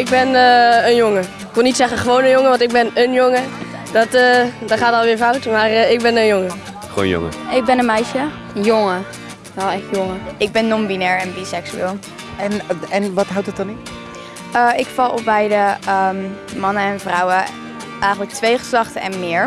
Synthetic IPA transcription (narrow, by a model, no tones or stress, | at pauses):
ɪɡ̚bɛnəənjoŋə | ɪkʋɪlˠnitsɛχəχəʋownənjoŋəʋɑ̃ntɪɡ̚bɛnənjoŋədɑtədɔχaːtɑlˠʋɪːɹfawtmaːrɪɡ̚bɛnənjoŋə | ʋo̰ːnjo̰ŋə̰ɪɡ̚bɛnənmɛjʃə | joŋə | ʋɛlɛχtjoŋəɪɡ̚bɛnːɔmbinɛɹɛnbisɛksyɪːlˠ | nɛnʋɑtɦawtdət̚dɔnɪ | əɪkfɑlˠɔp̚bɛjdəəmmɑnəɛnvrɑwə | ʔɛjxχənlək̚tʋejχə̥slɑχtəɛ̰nmɪːɹ